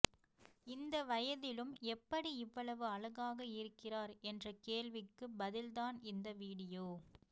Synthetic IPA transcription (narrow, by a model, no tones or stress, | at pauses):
ɪnd̪ɐʋɐjɐðɪlɯmɛpːɐɽiɪʋːɐɭɐʋɯɐɭɐɣaːɣɐɪɾɯkːɪraːɾɛndrɐkeːɭʋɪkːɯbɐðɪlðaːnɪnd̪ɐʋiːɽɪjoː